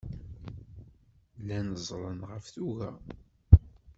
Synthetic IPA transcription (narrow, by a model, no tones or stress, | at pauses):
lænəzˤɾˤənʁəfθuɣæ